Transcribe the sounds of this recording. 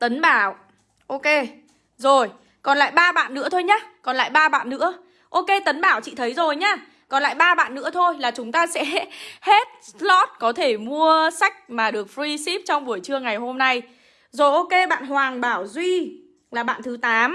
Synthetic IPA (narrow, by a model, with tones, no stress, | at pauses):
t̪ə˨˦nɓaː˧˩w | ʔo˧ke˧ | zo˨˩j | kɔ˨˩nla̰ː˧˨jɓaː˧ɓa̰ː˧˨nːɨ̰˧˥ət̪ʰo˧jɲaː˨˧˦kɔ˨˩nla̰ː˧˨jɓaː˧ɓa̰ː˧˨nnɨ̰˧˥ə | ʔo˧ke˧t̪ə˨˦nɓaː˧˩wt͡ɕḭ˧˨t̪ʰə˨˦jzo˨˩jɲaː˧˩ | kɔ˨˩nla̰ː˧˨jɓaː˧ɓa̰ː˧˨nːɨ̰˧˥ət̪ʰo˧jlaː˨˩t͡ɕʊ˨˦ŋ͡mt̪aː˧sɛ̰˧˥he˦˥t̚slɔ˦˥t̚kɔ˨˦t̪ʰe˧˩mu˧əsa˦˥jk̟̚maː˨˩ɗɨ˨˩ək̚fɹi˧si˦˥p̚t͡ɕɔ˧wŋ͡mɓu˧˩əjt͡ɕɨ˧əŋa˨˩jɦo˧mna˧j | zo˨˩jʔo˧ke˧ɓa̰ː˧˨nhwaː˨˩ŋɓaː˧˩wzwi˧ | laː˨˩ɓa̰ː˧˨nt̪ʰɨ˨˦t̪aː˨˦m